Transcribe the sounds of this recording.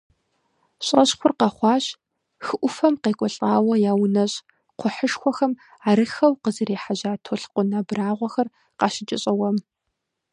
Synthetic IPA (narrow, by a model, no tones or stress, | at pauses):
ɕʼɐɕxʷʊrqɑχʷɑːɕ | xɨʔʷʊfɐmqeːkʷʼɔɬʼaːwɐjaːwnɐɕʼ | qʷʰʊħəʂxʷɔxɐm | aːɾɨxɐwqəzɨɾeːħaʑaːtʰoɬqʷʊnabraːʁʷɔxɐr | qɑʃɪt͡ʃʼɪɕʼɐwɐm